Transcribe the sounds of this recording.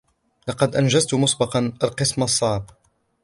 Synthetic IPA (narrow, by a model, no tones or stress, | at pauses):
lɑqɑd̪ʔanʒazt̪mʊsˤbɑqɑnalqɨsmɑsˤːɑʕb̚